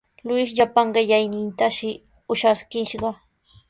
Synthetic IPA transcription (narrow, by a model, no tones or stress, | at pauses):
lʊɪʃʎapaŋɢɪʎajnɪnt̪aʃɪ | ʊʃaskɪʃɢɑ